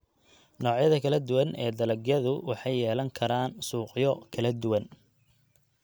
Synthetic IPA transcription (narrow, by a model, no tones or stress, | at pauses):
nɔːʕjɐðɐkʰɐlɐd̪ʊwɐnʔɛːd̪ɐlɐɡjɐðʊwɑħɑjːɛːlɐŋkʰɐɾaːnsuːqjɔkʰɐlɐd̪ʊwɐn